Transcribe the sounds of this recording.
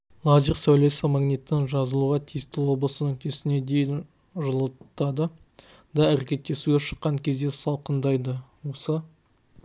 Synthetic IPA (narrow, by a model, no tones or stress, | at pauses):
lˠɑziqsæwle̞sɪmɑɡnit̪ːɪŋʒɑzəlˠuʁɑt̪ʰijɪst̪ɪlwo̞blˠəsənɵk̚t̪ʰesɪne̞d̪e̞jɪn | ʒəlˠət̪ːɑd̪ə | d̪ɑæɾekʲe̞t̪ːe̞suɡʲeʃə̥qːɑŋkʲʰe̞zd̪e̞sɑlˠqənd̪ɑjd̪əwo̞sə